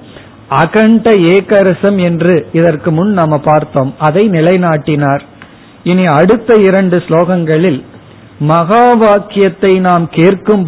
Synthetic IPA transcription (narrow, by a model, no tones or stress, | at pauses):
ʔɐɣɐɳɖɐeːkɐɾɐsɐmɛndrɯɪðɐrkɯmʊnnɐmɐpaːɾt̪oːmɐðɐɪnɪlɐɪnaːʈːɪnaːɾ | ɪniɐɽɯt̪ːɐɪɾɐɳɖɯsloːɣɐŋɡɐɭɪl | mɐɣaːʋaːkɪjɐt̪ːɐɪnaːmkeːrkɯm